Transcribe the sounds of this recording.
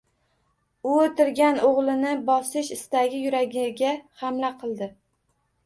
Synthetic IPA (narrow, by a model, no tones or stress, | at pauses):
ʊot̪ɪɾɡʲanoʁlˠɪnɪbɒsɪʃɪst̪aɡʲɪjʊɾaɡʲɪɡʲahamlaqʰɨlˠd̪ɪ